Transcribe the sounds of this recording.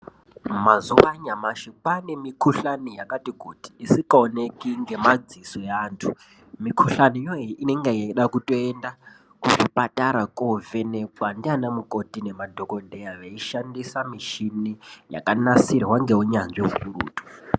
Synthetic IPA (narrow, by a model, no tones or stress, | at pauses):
mazuʋaɲamaʃipane̞mikʰuɬanijakatiɡʱoti̥isikaonekiŋɡe̞mad͡zisojaːntʰu | mikʰuɬaniijoiʔine̞ŋɡejeiɗakuto̞enda | kuʐipatʼaɾakʼovene̞kwandianamuko̞tine̞madʱokodʱejaʋeiʃandisamiʃinija̰kanasirwaŋɡeuɲanʐiɦurṵːtu̥